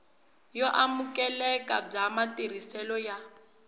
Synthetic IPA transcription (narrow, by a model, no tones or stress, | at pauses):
jɔʔamukɛlɛka̰b͡ʐamatir̤isɛlɔja